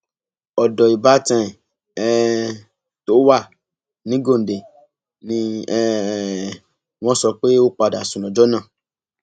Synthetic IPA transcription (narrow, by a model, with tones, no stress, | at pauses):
ɔ˨dɔ˨i˨ba˨˦tɛ̃˦˨ | ɛ˦ | to˦wa˦˨ | nĩ˦ɡo˦˨n̩˨de˨ | nĩ˧ɛ˦ | w̃ɔ̃˧sɔ˧k͡pe˦o˦k͡pa˨˧˨da˨sũ˨lɔ̃˨d͡ʒɔ˨˦nã˦˨